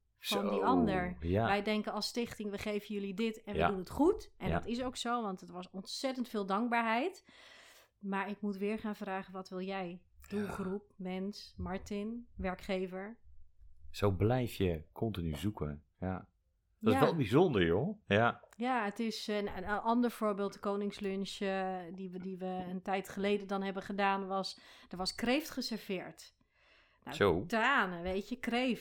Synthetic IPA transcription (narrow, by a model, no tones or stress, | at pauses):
ɔndiʔɑndəɹʋɛjdɛŋkənɔstɪχtɪŋʋəχejvənjɵlidɪtɛnədunətχutʔɛndɔtɪs̬owksowʋɑntətʋɔsɔntsɛtəntfɪːlˠdɑŋk̚baːɹɦɛjt | maːɹɪkmutʋɪːɹχaːnvraːχənʋɑtʋɪlˠjɛjd̥ulˠχrup̚mɛnsmɑɹtɪnʋɛɹkχeːvəɹ | sowblɛjfjəkʰɔntinyzukə | ja | dsɛlˠbizondəɹjojajaətɪsnənʔɔndəɹv̥ʊːɹbeːlˠtəkoːnɪŋslønʃədidiʋəəntɛjtχəlejdəndɔnɦɛbəχədaːnʋɔsd̥əɹʋɔskrejftχəsəɹv̥ɪːɹt | na̰sotaːnəʋejəkref